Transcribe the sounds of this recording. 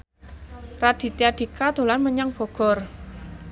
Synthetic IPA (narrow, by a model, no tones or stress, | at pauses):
rad̪̥i̤t̪iaɖ̪̥i̤kad̪̥o̤lanməɲaŋb̥ɔ̤ɡ̥ɔ̤r